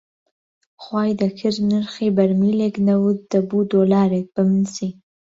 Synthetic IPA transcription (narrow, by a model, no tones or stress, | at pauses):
xwɑjd̪əkʰɪɾnəɾxibaɾmileknawud̪̚d̪əbud̪olɑɾek̚bəmɪnsi